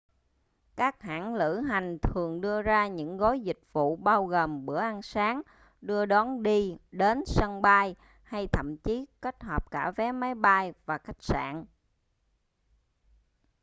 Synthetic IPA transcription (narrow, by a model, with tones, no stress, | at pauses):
kaː˦˥k̚ha̰ː˧˥˨ŋlɨ̰˧˥ɦa˨˩jŋ̟t̪ʰɨ˨˩əŋɗɨ˧əzaː˧ɲɨ̰˧˥ŋɣo˨˦jzï˨˩k̟̚vṵ˧˨ɓaː˧wɣoː˨˩mɓɨ˧˩əʔa˧nsaː˨˦ŋ | ɗɨ˧əɗɔ˨˦nɗi˧ɗe˨˦nsə˧ŋɓa˧j | ha˧jt̪ʰə̰˧˨mt͡ɕi˨˦ke˦˥t̚hɔ˨˩p̚kaː˧˩vɛ˨˦ma˨˦jɓa˧jvaː˨˩xa˦˥k̚sa̰ː˧˨n